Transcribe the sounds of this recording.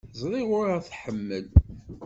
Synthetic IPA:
zˤɾˤiʁʊɾæθħəmːəl

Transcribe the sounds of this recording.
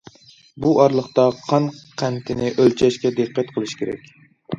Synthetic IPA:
buʔɑɾlˠəχt̪ɑqʰɑnqʰænt̪ʰɪnɪʔølt͡ʃʰɛʃkʲɛd̪eqːæt̪̚qʰəlˠɨʃkʲʰeɾɛ̰kʲ

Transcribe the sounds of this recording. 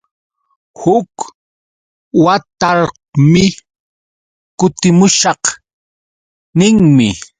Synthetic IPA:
hʊk | wat̪aɾ | mɪ | kʊt̪ɪmʊʃɑq | nɪŋmɪ

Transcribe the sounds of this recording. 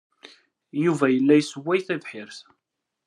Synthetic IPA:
juvæjəlːæjsəwːæjθæðħɪɾθ

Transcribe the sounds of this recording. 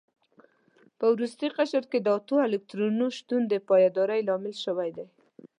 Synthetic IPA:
pəwɾust̪iqaʃaɾked̪əɑt̪oɪlɪk̚t̪ɾunuʃt̪und̪əpɑjad̪ɑɾajlɑmɪlʃəwajd̪aj

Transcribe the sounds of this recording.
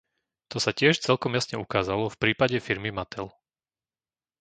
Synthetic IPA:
t̪ɔsacɪɛʃt͡sɛlkɔmjasɲɛukaːzalɔfpɾiːpaɟɛfiɾmimat̪ʰɛl

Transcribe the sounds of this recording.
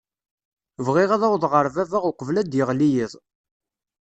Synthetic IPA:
vʁɪʁæðæwðˤʁəɾvævæʁʊqvlæd̪jəʁlijiðˤ

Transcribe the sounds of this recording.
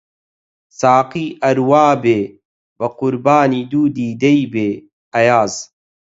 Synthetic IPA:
saːqiːʔɐɾwaːbeː | bɐqʊɾbaːniːd̪uːd̪iːd̪ɐibeː | ɐjaːz

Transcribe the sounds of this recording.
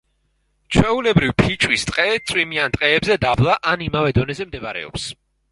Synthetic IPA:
t͡ʃʰwɛulɛbɾivpʰit͡ʃʼwist̪ʼqʼɛt̪sʼwimiant̪ʼqʼɛːbzɛd̪ablˠaʔanimavɛd̪ɔnɛzɛmd̪ɛbaɾɛ̰ɔ̰ps

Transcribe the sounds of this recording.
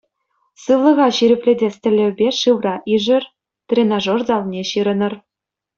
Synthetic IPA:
sɯlˠɤ̆ʁɑɕiɾʲɘ̆pʲlʲedʲesʲt̪ʲɘ̆lʲːɘ̆bʲeʂɯʋrɑʔiʐɘ̆r | t̪rʲenɑʐorzɑlˠnʲeɕiɾɤ̆nɤ̆r

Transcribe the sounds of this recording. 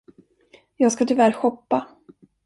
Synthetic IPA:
jɑːɡskat̪ʰʏlvæɾɧɔpːa

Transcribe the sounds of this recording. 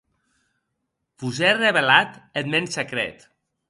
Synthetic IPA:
fuzereβelat̪et̪mensekɾɛ̰t̪

